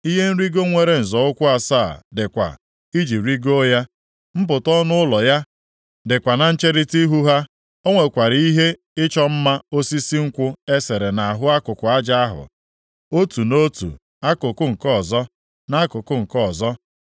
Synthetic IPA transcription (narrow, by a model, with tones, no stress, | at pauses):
i˦ɦe˦n̩˦ɾi˦ɡo˦ŋʷe˨ɾe˨n̩˨zɔ˨ʊ˦kʷʊ˦a˨saː˦˨dɪ˨kʷa̰˨ | i˦d͡ʒi˨ɾi˦ɡo˦ja˦ | m̩˦p̬ʊ˨tɔ˦nʊ˦ʊ˦lɔ˨ja˦ | dɪ˨kʷa˨na˨n̩˦t͡ʃe˦ɾi˦ti˦ɦu˦ɦa˦ | o˦ŋʷe˨kʷa˨ɾi˦ɦe˦ | ɪ˦t͡ʃɔ˦m̩˦ma˦o˦si˦si˦ŋ̩˦kʷʊ˦e˦se˨ɾe˨na˨ɦʊ˦a˦kʊ˨kʷʊ˨a˦d͡ʒa˦a˦ɦʊ̰˨ | o˦tu˨no˦tṵ˨ | a˦kʊ˨kʊ˦ŋ̩˨kɔ˦˨zɔ˦ | na˦a˦kʊ˨kʊ˦ŋ̩˨kɔ˦˨zɔ˦